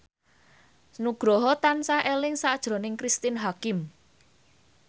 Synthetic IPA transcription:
nuɡ̥ɾɔɦɔt̪ansaʔelɪŋsad̥ʒ̥ɾo̤nɪŋkɾist̪ɪnɦakɪm

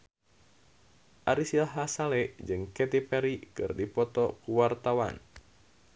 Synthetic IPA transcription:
ʔaɾisilɦasalɛd͡ʒɨŋkɛt̪ipɛɾikɨrdipɔt̪ɔkuwart̪awa̰n

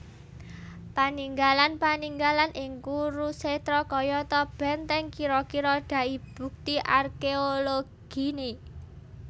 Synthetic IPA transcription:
paniŋɡalanpaniŋɡalanʔɪŋkuɾuset̪ɾɔkɔjɔt̪ɔb̥ɛ̤nt̪ɛŋkiɾɔkiɾɔɖ̥ä̤ʔib̥ṳk̚t̪iʔarkeoloɡ̥i̤ne

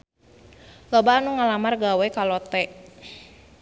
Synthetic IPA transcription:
lɔbaːnuŋalamarɡawɛkalɔt̪ɛʔ

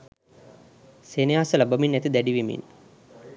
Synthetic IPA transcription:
senejaasəlabɐminːæt̪id̪æɖiʋimḭn

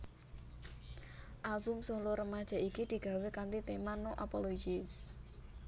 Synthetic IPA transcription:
ʔalbʊ̤msoloɾəmad̥ʒ̥a̤ʔikid̪̥i̤ɡ̥a̤wekant̪it̪emanoʔapolod͡ʒis

